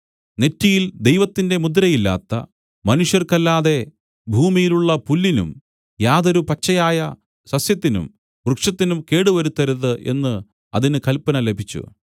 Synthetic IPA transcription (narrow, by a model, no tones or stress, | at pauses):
ne̞tːijild̪e̞jʋɐt̪ːinde̞mud̪ɾɐjilːa̰ːt̪ːɐ̰ | mɐnuʂjɐrkɐlːaːðe̞ | bʱuːmijiluɭːɐpulːinṵm | jaːðo̞ɾupɐt͡ɕːɐjaːjɐ | sɐsjɐt̪ːinṵm | ʋrɨkʂɐt̪ːinumke̞ːɽuʋɐɾut̪ːɐɾuðɨʔe̞̰nːɨ | ɐ̰ðinɨkɐlpɐnɐle̞bʱit͡ɕːṵ